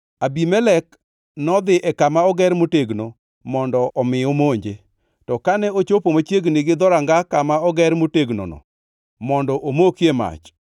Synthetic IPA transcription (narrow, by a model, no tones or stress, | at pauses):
abimɛlɛk | nɔd̪ɪʔɛkamaɔɡɛɾmoteɡno | mɔndɔɔmɪɔmoɲd͡ʒe | tɔkanɛot͡ʃopomat͡ʃjeɡnɪɡɪd̪ɔɾaŋɡakamaɔɡɛɾmoteɡno̰nɔ̰ | mɔndɔʔomokjema̰t͡ʃ